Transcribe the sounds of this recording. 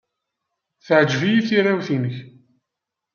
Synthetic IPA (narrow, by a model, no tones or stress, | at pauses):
θəʕəd͡ʒvijiθirːawθinəç